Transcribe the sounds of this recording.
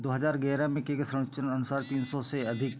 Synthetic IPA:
d̪oːɦəzaːɾɡɛːɾamẽkekesɾə̃ɽ̃t͡ʃənɐnʊsaːɾt̪iːnsɔseɐd̪ʱɪk

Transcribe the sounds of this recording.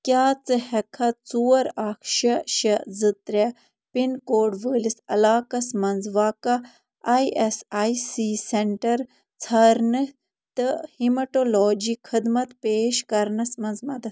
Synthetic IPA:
kʲjaːt͡sɨhɛkʰɐt͡suwɐɾaːkʰʃɐʃɐzɨt̪ɾʲe | pinkoːɖʋəːlisɐlaːkɐsmɐnzʋaːka | aiʔesaisiːseɳʈɐɾ | t͡sʰɐɾnɨ | t̪ɨhimɐʈolɔːd͡ʒikxʰɨd̪mɐt̪peːʃkɐɾnɐsmɐnzmɐd̪ɐt̪

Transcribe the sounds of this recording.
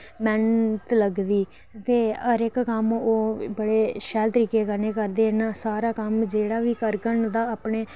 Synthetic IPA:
mɛnt̪ləɡd̪iː | t̪eːəɾɪkːəmoːbəɽeːʃɛːlt̪əɾiːkeːkəɾneːkəɾd̪eːnaːsaːɾaːkəmd͡ʒeːɽaːʋiːkəɾɡəɳd̪aːaːpɳeː

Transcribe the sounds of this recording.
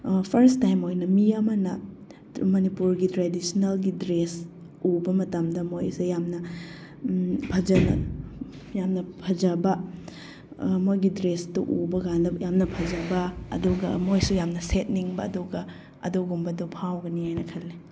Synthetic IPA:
pʰɐɾstajmojnɐmiɐmɐnɐ | mɐnipuɾɡitɾedisinelɡidɾes | ubɐmɐtɐmdɐmojsejamnɐ | pʰɐd͡ʒɐnɐ̰ | jamnɐpʰɐd͡ʒɐbɐ | mojɡidɾestuʔubɐɡandɐjamnɐpʰɐd͡ʒɐbɐɐ̰duɡɐ̰mojsujamnɐset̚niŋbɐɐ̰duɡɐ | ɐ̰duɡumbɐdupʰawɡɐnihajnɐkʰɐlːe

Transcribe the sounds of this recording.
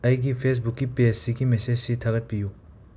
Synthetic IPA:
ɐjɡipʰes̬bukːiped͡ʒsiɡimesed͡ʒsitʰɐɡɐt̚piju

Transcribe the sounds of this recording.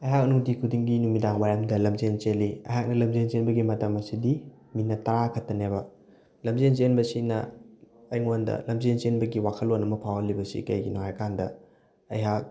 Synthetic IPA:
ɐjɦak̚ɐnuŋdikʰudiŋɡinuŋmidaŋmajamdɐlɐmzent͡ʃeliɐ̰jɦak̚nɐlɐmzent͡ʃenbɐɡimɐtɐmɐsidi | minɐtɐɾakʰɐtːɐnebɐ | lɐmzent͡ʃenbɐsinɐː | jŋondɐ̰lɐmzent͡ʃenbɐɡiwakʰɐlonɐmɐpʰawɐlːibɐsḭkɐjɡinoɦajkʰandɐ | ɐ̰jɦak̚

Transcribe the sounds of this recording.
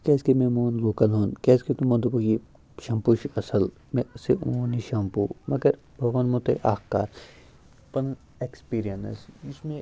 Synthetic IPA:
kɛːskemẽmoːnloːkɐlɦoːnkɛːsket̪umɐ̃nd̪ubɐɡi | ʃɐ̃mpuʃɐsɐl | mẽseʔoːniʃɐmpuːmɐɡɐɾ | bʱɐʋɐnmõt̪ɐiʔaːxkaːɾ | pɐn | ekspiːɾijɐnɐ̰sismẽ

